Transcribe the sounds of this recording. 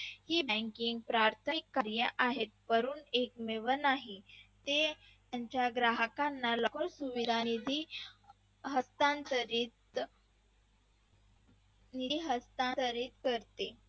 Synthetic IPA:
hiːbə̃ŋkiŋɡ̚pɾaɾt̪ʰəikːaɾjəʔaɦet̪̚pəɾuːnek̚meʋəɾnaɦit̪e | aɲt͡ɕjaɡɾaɦəkanːalɔkɔɾsuʋid̪ʱanid̪ʱi | ɦəst̪ant̪əɾit̪ | niɦəst̪ãnt̪əɾiːt̪kəɾt̪e

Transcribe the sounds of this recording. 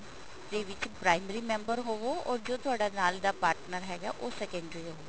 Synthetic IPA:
t̪eːʋɪt͡ʃpɾaːɪməɾiːmɛ̃ːmbəɾɦoːʋoːɔːɾd͡ʒoːt̪ʊaːɖaːnaːld̪aːpaːɾʈnəɾɦɛːɡa̰ːʔoːsɛːkɛ̃ːɳɖɾiɦoːʋeː

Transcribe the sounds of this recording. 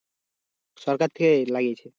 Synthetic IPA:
sɔɾkaɾt̪ʰekelaɡijet͡ɕʰe

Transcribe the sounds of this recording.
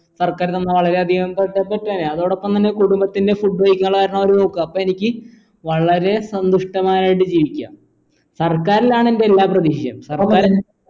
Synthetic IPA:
sɐrkaːɾonːɐʋɐɭɐɾe̞ɐd̪ʱijɐmɐmpɐt̪ːeːpːetːuaːneɐðoːɽo̞pːɐmt̪ɐnːe̞kuɽumbɐt̪ːinde̞fuɖʋɐjkɨŋɐɭkaːɾɐɳooːɾuno̞ːkːɨɐpːoːe̞nikʲːɨ | ʋɐɭɐɾe̞sɐnd̪uʂʈɐmaːnaːjiʈːɨd͡ʑiːʋikʲːa̰ːm | sɐrkaːɾilaːɳende̞elːaːprɐðiːɕɐjɐ̰msɐrkːaːɾ

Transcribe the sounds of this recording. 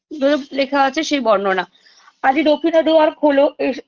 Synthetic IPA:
d͡ʑoelekʰaat͡ɕʰeʃejbɔɾnona | ad͡ʑiɾokʰinad̪oaɾkʰoloe

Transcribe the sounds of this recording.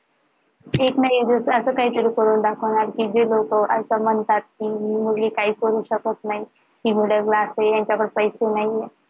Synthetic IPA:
eknaɦid͡zəsəsəːkaɦiːt̪əɾiːkəɾuːnd̪akʰəʋɽ̃aɾkid͡ʑelokəʔəsəmənt̪at̪̚kiɦiːmulekaɦiːkəɾuːɕəkot̪naɦi | ɦiːmuleɡlasejaɲt͡ɕapəɾpəjɕenaɦije

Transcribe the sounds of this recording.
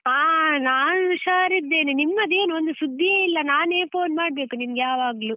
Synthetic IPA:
aːnaːniʃaːɾid̪eːnunimːɐd̪e̞ːnuond̪usud̪ʱːijɐilːɐnaːneːpʰoːnmaːɽ̚be̞ːkunimɐɡejaːʋaːɡlu

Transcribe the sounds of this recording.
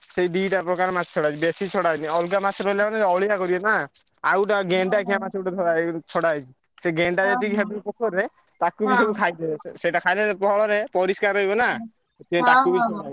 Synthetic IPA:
seiɖiʈapɾɔkaɾemat͡ʃʰɔ̥t͡ʃʰɔɽajt͡ʃʰibesit͡ʃʰɔɽajniɔlɡamat͡ʃʰɔɾlamaneeɔɭiakɔɾibɔna | awʈaɡeɳɖakʰiamat͡ʃʰewʈad̪ʰʱɔɾat͡ʃʰɔɽajt͡ʃʰi | seɡeɳɖad͡ʒat̪ikiabpɔkʰɔɾe | t̪akubisɔkukʰajd̪eseʈakʰajletepɔɔɭɔɾepɔɾiskaɾɔjbɔna | et̪iɔ̃t̪akubisɔa

